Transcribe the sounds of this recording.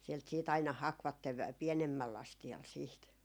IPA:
sielt siːt ɑinɑ hɑkʋɑtːeʋ ʋæ pienemːælː ɑstiɑl siːt

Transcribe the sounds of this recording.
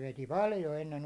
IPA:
ʋeti pɑljo enːen

